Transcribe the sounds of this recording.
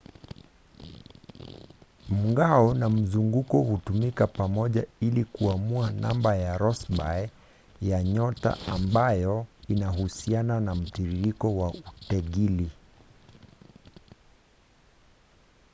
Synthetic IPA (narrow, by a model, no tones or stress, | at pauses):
m̩ŋɡaɔnam̩zuŋɡukɔhutumikapamɔʄailikuamuana̰mbajaɾɔsba̰ɛ | jaɲɔta̰ambajɔinahusiananam̩tiɾiɾikɔwautɛɠili